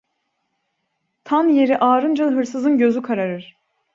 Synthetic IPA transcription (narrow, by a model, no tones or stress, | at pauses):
t̪ʰanje̞ɾiʔaːɾɯnd͡ʒɯlˠɦɯɾsɯzɯnɟø̞zykʰaɾaɾɯɾ̥